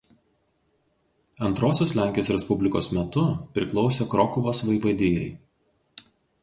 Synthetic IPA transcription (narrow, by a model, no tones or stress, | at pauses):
ɐnt̪ɾoːsʲoːslʲæˑŋʲkʲijoːsɾʲɛspʊbʲlʲɪkoːsmʲɛt̪ʊpʲɾʲɪklˠɒʊsʲeːkɾɔkʊʋoːsʋɐɪʋɐd̪ʲɪːjɛ̰ɪ